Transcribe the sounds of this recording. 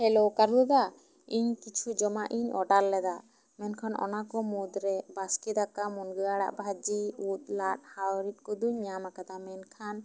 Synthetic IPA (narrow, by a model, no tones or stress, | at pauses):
hɛlɔwkaɾɔd̪a | iɲkit͡ʃʰud͡ʒɔmaʔiɲɔ̰ɖalːɛd̪a | mɛnkʰanɔ̰nakɔmud̪ɾɛbaskid̪akamɔnɡəaɽa̰ʔbʱad͡ʒiut̪̚ˀlat̪̚hawɾit̪̚kɔd̪uɲamakad̪amɛnkʰan